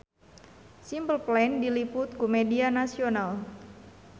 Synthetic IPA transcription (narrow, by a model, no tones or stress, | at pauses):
simbəlplendilipʊt̪̚kumedianasional